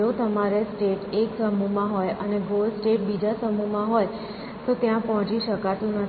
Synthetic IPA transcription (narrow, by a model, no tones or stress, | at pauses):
ot̪əmaɾesʈeʈeksəmumãɦojəneɡolsʈeʈ̚bid͡ʒasəmumãɦoj | t̪ot̪jãpɔɦɔ̃t͡ʃiʃəkat̪ũnə